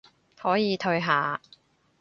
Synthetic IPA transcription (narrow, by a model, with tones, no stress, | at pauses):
hɔː˨˥jiː˨˧t̪ʰɵ˧ɥɦaː˨˧